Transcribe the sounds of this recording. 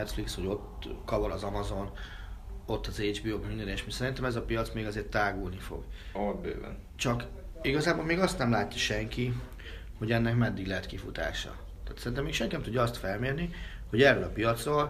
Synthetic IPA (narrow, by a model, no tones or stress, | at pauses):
ɛt̪fliksho̞ɟo̞t̪kɒvoɾɒzɒmɒzo̞n | o̞t̪ːɒzed͡ʒbioːmynɛneːʃmisɛɾint̪ɛmɛzɒpijɒt̪smeːɡɒzeːrt̪ːaːɡulnifo̞̰ɡɒlɒbbø̰ːvɛ̰n | t͡ʃɒk | iɡɒzaːboːlmeːɡɒst̪nɛmlaːt̪ːi̥ʃɛŋki | ho̞ɟɛnːɛkmɛd̪ːiɡlɛɦɛt̪kifut̪a̰ːʃɒ̰ | t̪aːt̪sɛɾint̪ɛmːeːkʃɛŋkinɛmt̪udɟːɒst̪fɛlmeːrniho̞ɟɛrːølɒpijɒt̪srol